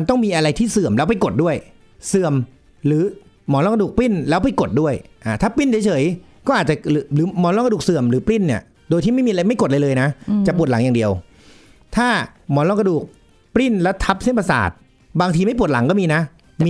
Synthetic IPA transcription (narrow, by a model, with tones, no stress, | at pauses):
t̪ɔ˥˩ŋmiː˧ʔa˧ɾa˧jt̪ʰiː˥˩sɯ˨˩əmlɛː˦˥wpa˧jko˨˩t̪̚du˥˩əj | sɯ˨˩əm | ɾɯː˩˦ | mɔː˨˩˦lɔː˧˩ŋka˧duː˨˩k̚pli˥˩nlɛː˦˥wpa˧jko˨˩t̪̚du˥˩əjʔaː˨˩t̪ʰaː˥˩pi˥˩nt͡ɕʰːjt͡ɕʰɤː˩˦j | kɔː˥˩ʔaː˨˩t̪t͡ɕa˨˩ɾɯː˨˩˦lɯː˩˦mɔː˩˦lɔː˧˥ka˧duː˨˩k̚sɯ˨˩əmɾɯː˩˦pli˥˩ni˥˩ɐ | doː˧jt̪ʰiː˥˩ma˥˩jmiː˧la˧jma˥˩jko˨˩t̪̚laː˧lɤː˧jna˦˥t͡ɕa˨˩pu˨˩ət̚la˩˦ja˨˩ŋdi˧əw | t̪ʰaː˥˩mɔː˩˦lɔː˧ŋk̬a˧duː˨˩k̚ | pli˥˩nla˦˥t̪ʰa˦˥p̚se˥˩npa˧sa̰ː˨˩t̪̚ | baː˧ŋt̪ʰiː˧ma˥˩jp̬u˨˩t̪̚la˩˦ŋkɔː˥˩miː˧na˦˥˧